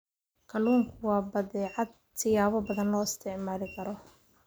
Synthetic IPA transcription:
kʰɐluːŋkʰʊwɑːbɐðɛːʕɑd̪̚ | t̪ʰɪjaːβɔbɐðɐnlɔːɪst̪ʰɛʕmaːlɪkʰɐɾɔ

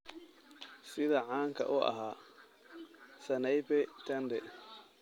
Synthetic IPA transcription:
sɪðɐʕaːŋkʰɐ̰ʔʊʔɐ̰ɦaː | sɐnɛjbɛt̪ʰɐnd̪ɛ

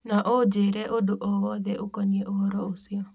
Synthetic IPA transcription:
naʔod͡ʒeɾɛʔodoʔɔwɔðɛʔokɔɲieʔoɾɔosiɔ

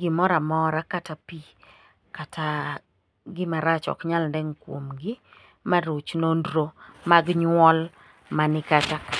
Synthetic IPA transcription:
ɡɪmɔɾamɔɾakatapi | katʰa | ɡɪmaɾat͡ʃɔ̰kɲalndɛŋkwo̰mɡɪ | maɾot͡ʃnondɾomaɡɲwɔl | manɪkat͡ʃak

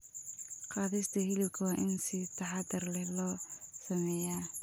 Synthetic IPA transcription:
qɑːðɪst̪ʰɐɦɪlɪb̚kʰɐwɑːʔɪnsɪt̪ʰɐħɑd̪ɐrlɛlɔːsɐmɛːjaː

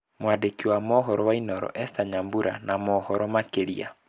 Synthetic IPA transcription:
mwadekiwamɔɦɔɾɔwainɔɾɔ̰ʔɛstaɲambuɾa̰namɔhɔɾɔmakeɾia̰

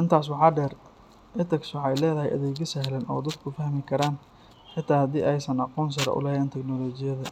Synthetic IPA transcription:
ʔɪnt̪ʰaːs̬wɑħɑːɖɛːr | ʔɪt̪ʰɐkswɑħɑjlɛːðɐɦɛjʔɐ̰ðɛːɣɐsɛɦlɐnʔɔ̰ːd̪ɐd̪kʰʊfɐhmɪkʰɐɾaːn | ħɪt̪ʰaːhɐd̪iːʔɛjsɐnɑquːns̬ɐɾɐ̰ʔʊ̰lɐjɛːnt̪ʰɛknɔːlɔːt͡ʃɪjɐðɐ

